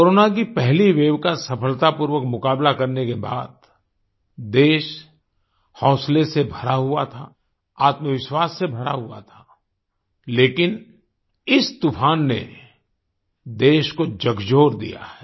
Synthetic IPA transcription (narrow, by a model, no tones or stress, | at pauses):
koɾoːnak̬ipɛɦliʋeːwkasɐpʰəlt̪apuːɾwəkmʊkaːblakɐɾnekeba̰ːd̪̚ | d̪eːʃ | hɔ̃ːslesebʱɐɾaɦua̰t̪ʰa | aːt̪məʋɪʃwaːsːebʱɐɾa̰ɦua̰t̪ʰḁ | leːkɪn | ɪst̪upʰaːnːḛ | d̪eːʃkod͡ʒɐɡʱd͡ʒoːɾd̪ḭja̰ɦɛː